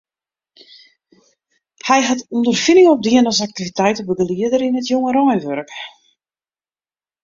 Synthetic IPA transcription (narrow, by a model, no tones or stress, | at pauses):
hɛjɦatundərfinɪŋɔp̚diənɔsak̚tivitɛjtəbəɡliədəɾɪnətjoŋəɾɔjnʋøɾk